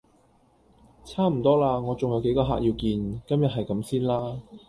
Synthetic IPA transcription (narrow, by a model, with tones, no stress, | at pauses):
t͡sʰaː˥m̩˨˩t̪ɔː˥laː˧ŋɔː˨˧t͡sʊ˨ŋjɐ˨˧wke˨˥jkɔː˧ɦa̰ː˨k̚ji˧wkiː˧nkɐ˥mjɐ˨t̚ɦɐ˨jkɐ˨˥msiː˥nlaː˥